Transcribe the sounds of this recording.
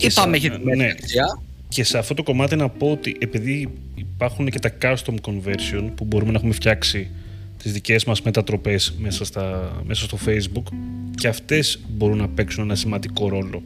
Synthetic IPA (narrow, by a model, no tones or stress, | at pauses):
ispɐmeeçineɐ | ce̞se̞ɐft̪o̞t̪oko̞mɐt̪inɐpo̞ot̪iʔe̞piðiː | pɐɾxunece̞t̪ɐkɐst̪omko̞nve̞ɾsio̞npubo̞ɾumenɐexumefçɐksi | t̪izðice̞zmɐzme̞t̪ɐt̪ɾo̞pe̞smesɐst̪ɐmesɐst̪o̞fe̞jzbukceɐft̪e̞z̥bo̞ɾunːɐpe̞ksune̞nɐsimɐnd̪iko̞ɾo̞lo̞